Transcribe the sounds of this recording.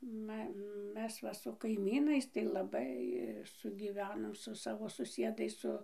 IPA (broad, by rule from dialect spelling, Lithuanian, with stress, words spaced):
ˈmɐ ˈmʲɛs ʋɐ sʊ kɐɪˈmʲiːnɐɪs tɐɪ lˠɐˈbɐɪ sʊɡʲiːˈʋʲæːnoːm sʊ ˈsɑːʋoː sʊˈsʲiɛdɐɪs ˈsʊ